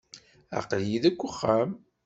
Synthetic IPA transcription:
a̰qljiðækʷːʊχːæm

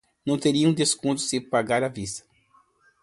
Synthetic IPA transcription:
nɐ̃w̃t̪eɾiɐũd̪eskõnt̪ʊ̥sɪpaɡaɾavist̪ɐ̥

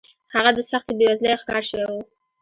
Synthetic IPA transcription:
haɣad̪əsaxt̪ebewazlexkɑɾʃəwewu

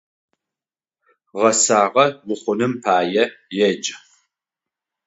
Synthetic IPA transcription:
ʁɐsaːʁɐwʊχʷʊnɨmpʰaːjɛjɛd͡ʒʼɪ

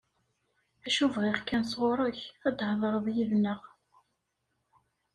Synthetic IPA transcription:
æʃuvʁɪʁkænsʁoɾˤəçæd̪hðˤəɾˤðjivnəʁ

